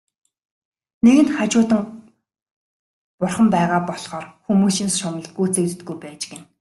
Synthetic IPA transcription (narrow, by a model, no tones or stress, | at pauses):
neɣɘ̆nχat͡ɕʊːt̪ə̆ŋ | pʊrχə̆mpæːʁaːpɔɮχɔːrxumuːsĭnsʃʊmə̆ɮɡuːt͡sĕkt̪ɘ̆t̪̚ɡujpæːt͡ɕɡen